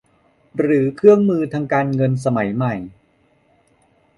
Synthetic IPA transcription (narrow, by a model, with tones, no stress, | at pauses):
ɾɯː˩˦kʰɯ˥˩əŋmɯː˧t̪ʰaː˧ŋkaː˧nŋɤ˧ns̬a˧ma˩˦jma˨˩j